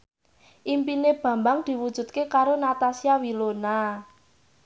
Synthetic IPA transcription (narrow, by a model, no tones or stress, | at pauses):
ʔimpineb̥ä̤mbaŋd̪̥i̤wud̥ʒ̥ṳd̪̚kekaɾonat̪asiawilona